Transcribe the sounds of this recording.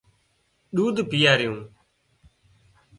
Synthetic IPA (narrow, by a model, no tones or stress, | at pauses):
ɗuːd̪ʱpɪjaːɾɪjũː